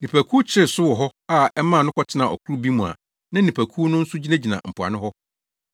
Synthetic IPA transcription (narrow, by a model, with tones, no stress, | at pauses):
nĩ˨pʰæ˨kʰuː˦t͡ɕʰɪ˦ɾɪ˨sʊ˦wɔ˨ɦɔ˦a˦ɛ˦mã˦˨nʊ̃˦kʰɔ˦tʰɪ˦nã˨ʔɔ̰˨kʰu˦ɾu˦bi˦mũ˨a̰˨ | nã˦nĩ˨pʰæ˨kʰu˦nʊ̃˦n̩˦sʊ˦d͡ʑi˦nã˦d͡ʑi˨nã̰˨m̩˨pʰʊ˨a̰˨nɪ̃˦hɔ˦